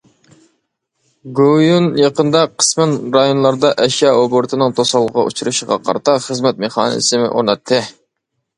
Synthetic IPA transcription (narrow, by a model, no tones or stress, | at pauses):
ɡojunjɑqənd̪ɑqʰə̥smɪnɾɑjonlˠɑɾd̪ɑʔɛʃjɑɾoboɾt̪ʰɨnɨŋt̪ʰosɑlˠʁɑ̰ʔṵt͡ʃʰuɾɨʃəʁɑ̰qʰɑ̰ɾt̪ʰɑχəzmɛt̪̚meχɑ̰ːnɨ̰sɪmɪ̰ʔo̰ɾnɑt̪ʰːɨ